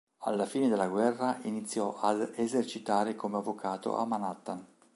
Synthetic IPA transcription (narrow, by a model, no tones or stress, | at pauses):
a̰lːafiːned̪elːaɡwɛrːaʔinit̪sːjɔʔad̪ezert͡ʃit̪aːɾekomeavːokʰaːt̪o̰ʔa̰manat̪ːan